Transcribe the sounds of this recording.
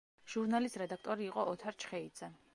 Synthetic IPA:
ʒ̥uɾnalist̪ʼɾɛd̪akʰt̪ʼɔɾiːqʼɔɔt̪ʰaɾt͡ʃʰχɛid̪z̥ɛ

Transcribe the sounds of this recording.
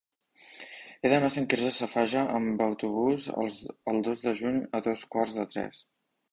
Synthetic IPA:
eðənaseŋkiɾzəsəfaʒəʔəmbəwt̪uβ̞uz̰əlˠd̪ozðəʒuɲəðoskwarzðət̪ɾɛ̰s

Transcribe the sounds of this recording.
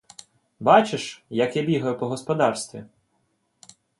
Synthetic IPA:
bɑt͡ʃeʃjɐkjabʲiɦɐjʊpɔɦɔspɔd̪ɑrst̪ʋʲḭ

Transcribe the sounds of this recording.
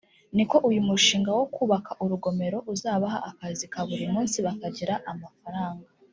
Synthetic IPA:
niko̞ʔujumuʃiːŋɡawo̞kuːβakʰaʔuɾuɡo̞me̞ɾo̞ʔuzaːβaɦaʔakazikaβuɾimuːnsiβakaɟiɾaʔamafaɾaːŋɡa

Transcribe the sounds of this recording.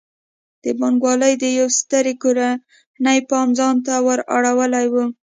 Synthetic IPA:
d̪̥əbɑŋɡwɑləjd̪əjawst̪əɾekoɾa | nəjpɑmzɑnt̪awəɾa̰ɽawəlajwu

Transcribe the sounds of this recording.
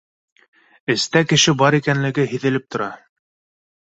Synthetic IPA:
ɘ̆st̪ækɘ̆ʃɘbɑɾikænlɘ̆ɡɘɦĭðɘ̆lɘp̚t̪ŏɾɑ

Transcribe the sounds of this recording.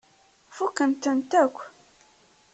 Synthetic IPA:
fukːənt̪ənt̪ækʷː

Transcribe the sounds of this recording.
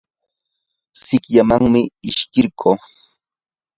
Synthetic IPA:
sɪkʎamaŋmɪɪʃkɪɾkʰoː

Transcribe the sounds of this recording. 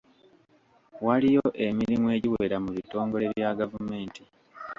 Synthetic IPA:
walijoʔe̞miɾimwe̞ːɟiwe̞ɾamuβito̞ːŋɡo̞le̞βjaɡavume̞ːnti

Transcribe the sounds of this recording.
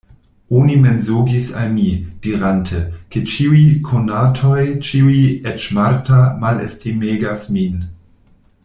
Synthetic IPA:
onimenzoɡisa̰lmid̥iɾantʰekʰet͡ʃiuikʰonatʰojt͡ʃiuiet͡ʃmaɾtʰamalḛstʰimeːɡasmin

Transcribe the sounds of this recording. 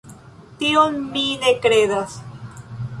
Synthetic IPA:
t̪ionmid̪ekɾeðas

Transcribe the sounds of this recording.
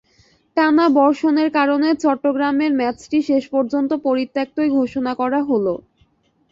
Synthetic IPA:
ʈanabɔɾʃoneɾkaɾonet͡ɕɔʈːoɡɾameɾmɛt͡ɕʈiʃeʃpoɾd͡ʑont̪opoɾit̪ːak̚t̪oeɡʱoʃonakɔɾaɦolo

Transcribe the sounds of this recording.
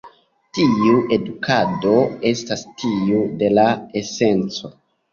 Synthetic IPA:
tiuʔe̞dukado̞e̞stastiude̞lae̞se̞nt͡so̞

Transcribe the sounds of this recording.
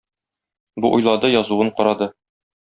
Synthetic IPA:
buʔujlˠɑd̪ɤjɒzuwɤɴqɒɾɑd̪ɤ

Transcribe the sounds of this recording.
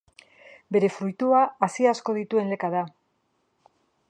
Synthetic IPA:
be̞ɾe̞fɾujt̪uaasiasko̞ð̞it̪ue̞nle̞kað̞a

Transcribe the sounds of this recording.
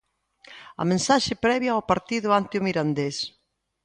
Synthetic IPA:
ɐ̰mẽnsaʃɪpɾɛβjaawpaɾt̪iðʊant̪jʊmiɾand̪es

